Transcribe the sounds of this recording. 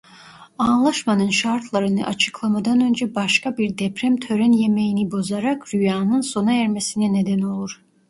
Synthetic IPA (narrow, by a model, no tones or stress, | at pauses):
anlˠaʃmanɯnʃaɾt̪ʰlˠaɾɯnɯ̰ʔat͡ʃʰɯ̥klˠamad̪anø̞nd͡ʒɛbaʃkabiɾd̪ɛpɾæmt̪ʰø̞ɾɛnje̞me̞jinibo̞zaɾakɾyjaːnɯnso̞naɛɾmesinɛne̞d̪æno̞lˠuɾ̥